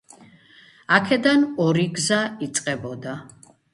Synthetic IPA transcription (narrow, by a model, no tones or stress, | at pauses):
akʰɛd̪anɔɾiɡzait̪sʼqʼɛbɔd̪a